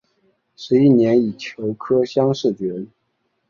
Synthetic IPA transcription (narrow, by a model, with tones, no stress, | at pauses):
ʂɻ̩˧˥i˥˩njɛ˧˥ni˨˩t͡ɕʰjo˧˥ʊkʰɤ˥ɕjɑ˥ŋʂɻ̩˥˩pɛ˧˥n